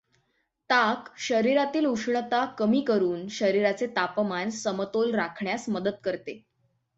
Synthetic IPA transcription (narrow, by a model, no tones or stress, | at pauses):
t̪akɕəɾiɾat̪iːluʂɳət̪akəmiːkəɾuːnɕəɾiɾat͡set̪apəmansəmət̪olɾakʰɳjasməd̪əd̪kəɾt̪e